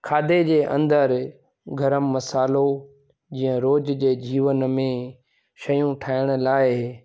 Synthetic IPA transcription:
kʰaːd̪ed͡ʑeːʔɐ̃nd̪əɾ | ɡʱɐɾəmːɐsaːlo | d͡ʑĩːə̃ɾoːd͡ʑd͡ʑeːd͡ʑiːʋənmẽ | ʃɐjũʈʰaːɪɽ̃ʊ̆laːɪ

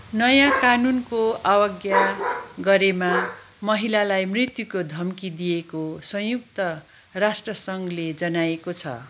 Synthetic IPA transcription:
nʌjãkanunkoawʌɡjaɡʌɾema | mʌɦilalajmrit̪jukod̪ʱʌmkid̪ijekosʌ̃juk̚t̪ʌ | rasʈrʌsʌŋɡled͡zʌnajekot͡sʰʌ̰

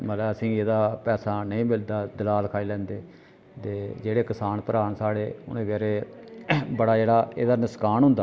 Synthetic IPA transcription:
mət̪lɛəsĩːeːd̪aːpɛːsaːnəĩːmɪld̪aːd̪ɪlaːlkʰaːiːlɛ̃ːnd̪eː | t̪eːd͡ʒeːɽeːkəsaːnpəɾaːɳsaːɽeːʊ̰nẽːɡɛːɾeː | bəɽaːd͡ʒeːɽaːḛːd̪aːnəskaːnɦʊ̃nd̪aː

